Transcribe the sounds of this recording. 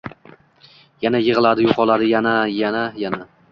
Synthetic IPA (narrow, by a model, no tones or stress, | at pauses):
janajɨʁɨlˠad̪ɪjoqʰɒlˠad̪ɪjanajanajana